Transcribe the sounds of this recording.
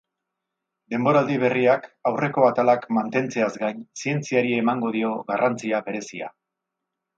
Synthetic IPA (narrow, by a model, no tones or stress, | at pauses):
d̪e̞mbo̞ɾald̪iβ̞e̞riakawre̞ko̞at̪alakmant̪e̞nt͡se̞azɡajnsie̞nt͡siaɾie̞maŋɡo̞ð̞io̞ɣarant͡siaβe̞ɾe̞sia̰